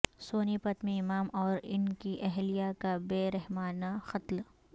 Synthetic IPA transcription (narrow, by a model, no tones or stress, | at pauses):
soːnipɐt̪mĩɪmaːmɔːɾɪnkiʔɛɦlijakabeːɾɛɦmaːnaxɐt̪l